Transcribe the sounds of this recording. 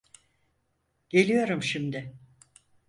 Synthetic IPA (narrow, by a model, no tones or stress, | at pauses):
ɟ̥e̞lʲijo̞ɾumʃimd̪ɪ